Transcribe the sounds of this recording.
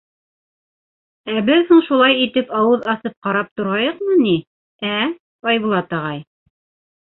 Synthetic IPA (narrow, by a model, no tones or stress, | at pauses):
æbɘðhuɴʃulˠɑjit̪ɘpɑwɤðɑsɤp̚qɑɾɑp̚t̪ŏɾʁɑjɤqmɤni | æ | ɑjβulˠɑt̪ɑʁɑj